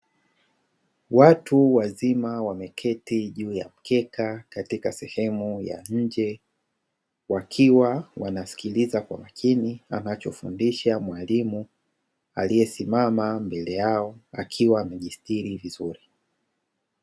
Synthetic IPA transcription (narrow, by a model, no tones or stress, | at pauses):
watuwazimawamɛkʰɛtiʄuːjam̩kʰɛkʰakatikasɛhɛmuja̰ɲ̩d͡ʒɛ | wakʰiwawanasi̥kilizakwa̰makʰinia̰nat͡ʃɔfṵndiʃamwalimu | a̰lijɛsimamambɛlɛjaɔakʰiwaːmɛʄistiɾivizuɾi